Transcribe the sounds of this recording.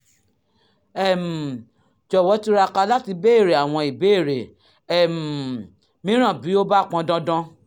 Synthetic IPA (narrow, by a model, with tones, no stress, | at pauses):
ɛ˦˨m̩˨ | d͡ʒɔ˨wɔ˨˦ti˦ɾa˧ka˧la˦ti˧be˦e˦˨ɾe˨a˨w̃ɔ̃˧i˨be˦e˦˨ɾe˨ | ɛ˦˨m̩˨ | mĩ˨˦ɾ̃ã˦˨bi˨˦o˦ba˦k͡pã˧dã˦dã˦